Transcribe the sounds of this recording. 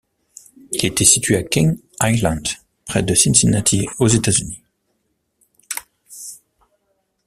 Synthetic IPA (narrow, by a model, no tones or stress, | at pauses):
ilet̪ɛsit̪ɥeakʲĩŋ | ajlɑ̃nd̪ | pχɛd̪əsinsinat̪ʰiozet̪azyni